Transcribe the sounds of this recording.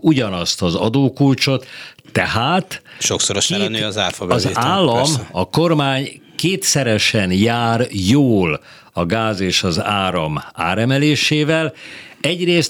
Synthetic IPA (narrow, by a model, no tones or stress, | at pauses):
uɟɒnɒst̪ɒzɒ̰d̪oːkult͡ʃo̞t̪ːɛɦaːt̪ʃoksoɾoʃɛɾɛnøːɒzaːrfɒbɒzeːaːlːɒmɒko̞rmaːɲ | keːt̪sɛɾɛʃɛnjaːrjoːl | ɒɡaːzeːʃɒzaːɾɒma̰ːɾɛmɛleːʃeːvɛlɛɟreːs